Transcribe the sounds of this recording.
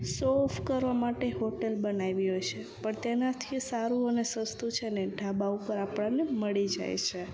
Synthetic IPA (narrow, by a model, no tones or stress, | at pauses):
sɔfʰkəɾʋamaʈeɦoʈelbənaʋiɦojt͡ʃʰepəɳt̪enat̪ʰisaɾuənesəst̪ut͡ʃʰeneɖʱabaupəɾapɽ̃aneməɭid͡ʒa̰jt͡ʃʰe